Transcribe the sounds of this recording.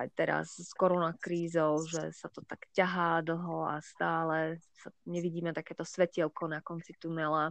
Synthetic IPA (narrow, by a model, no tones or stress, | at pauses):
ajt̪ɛɾa̰sskɔɾɔnakɾiːzɔʊʒɛsat̪ɔt̪akcaɦaːd̪l̩ˠɦɔa̰st̪aːlɛsaɲɛʋiɟiːmɛt̪akɛːt̪ɔsʋɛciɛlkɔnakɔnt͡sit̪unɛla